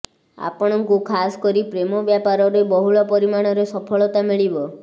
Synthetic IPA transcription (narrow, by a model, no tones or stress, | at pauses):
a̰pɔɽ̃ɔŋkukʰasɔ̥kɔɾipɾemɔbjapaɾɔɾebɔɦuɭɔpɔɾimaɽ̃ɔɾesɔpʰɔɭɔt̪amiɭibɔ